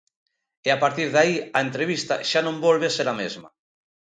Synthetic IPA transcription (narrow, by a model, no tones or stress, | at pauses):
eapaɾt̪iɾðaiaent̪ɾeβ̞ist̪a̰ʃanõmbolβeseɾamezma̰